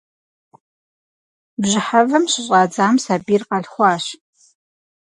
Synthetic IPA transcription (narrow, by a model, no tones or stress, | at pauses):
bʑɪħavɐmɕɪɕʼɑːd͡zaːmsaːbiːrqɐɬxʷɑːɕ